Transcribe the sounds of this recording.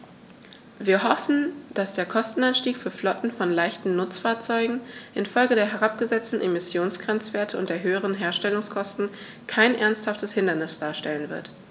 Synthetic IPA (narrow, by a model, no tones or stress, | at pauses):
viːɐɦɔfn̩d̥asd̥eːɐkʰɔstn̩anʃtiːkfyːɐflɔtn̩fɔnlaɪçtn̩nʊt͡sfaɐt͡sɔʏɡŋ̩ʔɪnfɔlɡədeːɐɦɛʁ̞ap̚ɡ̥əzɛt͡stn̩ʔemɪsjoːnsɡ̥ʁ̥ɛnt͡sv̥eːɐtʰəʊ̰nt̚d̥eːɐɦøːəʁənɦeːɐʃtɛlʊŋskʰɔstn̩ | kʰaɪnʔɛɐnsthaftəshɪndɐnɪsd̥aːɐʃtɛlənvɪ̰ɐt